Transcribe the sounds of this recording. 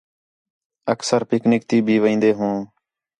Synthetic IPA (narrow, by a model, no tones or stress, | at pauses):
əksəɾpɪknɪk̚t̪iːbʱiːʋĩːnd̪eːɦũː